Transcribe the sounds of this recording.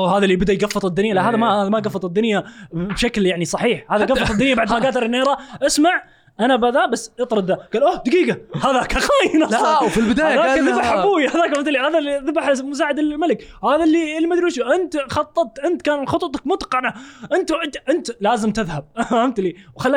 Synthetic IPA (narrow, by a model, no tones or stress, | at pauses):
oɦaːðalːiːbɪd̪aʔjɡafːɨt̪ˤɪd̪ːʊnjalahaːðamaamaɡɑfːɑt̪ˤɪd̪ːʊnjabʃakljaʕnisˤɑħiːħhaːðaɡafːɑtˤɪd̪ʊnjabaʕd̪madɡaːd̪ɑɾˤɪnːeːɾˤɑʔasmaʕ | ʔanabaðaːbasːʔɨt̪ˤɾˤɑd̪ːaɡ̥aːlʔoːhd̪aɡiːɡahaðakaqaːjnafilbɪd̪aajaːðabaħʕabuːwjhaðaːkamt̪lːihaːðaliðabaħmʊs̬aːʕɪd̪ɪlmalɪkhaːðalːilmad̪ɾuːʃiʔɪnt̪xɑt̪ˤːɑt̪̚t̪ʔɪnt̪kaːnxʊt̪ˤt̪ˤɑkmʊt̪qɑʕnaʔɪnt̪ʔɪt̪ʔɪnt̪laːzɪmt̪ɪðhab̚ʕamt̪liːwxalː